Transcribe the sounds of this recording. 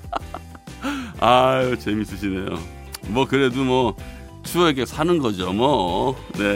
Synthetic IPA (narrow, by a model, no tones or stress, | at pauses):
ajot͡ɕe̞mis͈ɯɕ̬ʰine̞jo̰ | mwʌkɯɾe̞dumwʌ | t͡ɕueɡesʰanɯnɡʌd͡ʑomwʌne̞